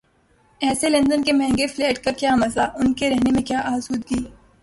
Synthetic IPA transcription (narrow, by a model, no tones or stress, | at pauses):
ɛːselɐ̃nd̪ənkemɛ̃ɦŋɡefleːʈkakjaːmɐslaʔʊnkeɾɛɦnemẽkjaːʔaːsuːd̪ɡiː